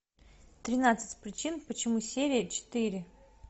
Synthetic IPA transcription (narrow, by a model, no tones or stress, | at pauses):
t̪ɾʲɪnat̪sɨ̥tʲpɾʲɪt͡ɕinpət͡ɕɪmusʲeɾʲɪjət͡ɕɪ̥t̪ɨɾʲɪ